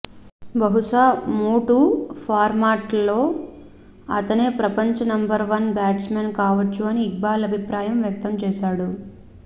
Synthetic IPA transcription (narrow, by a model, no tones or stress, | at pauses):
bɐɦuʂaːmuːʈupʰaːɾmaːʈlo̞ː | ɐt̪ɐneːpɾɐpɐɲt͡ʃɐnɐmbɐɾʋɐnbaːʈsmeːnkaːʋɐt͡ʃːuɐniːɡ̚baːlɐbʱipɾaːjɐmʋjɐk̚t̪ɐmt͡ʃɛːʃaːɽu